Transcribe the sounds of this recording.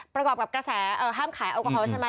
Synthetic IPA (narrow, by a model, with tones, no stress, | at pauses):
pɾa˧kɔː˨˩p̚ka˨˩kɾa˧sɛː˨˩˦ʔɤː˨˩ɦaː˥˩mkʰaː˩˦jʔa˧˩kɔ˧ɔː˧˦t͡ɕʰa˧˦ma˧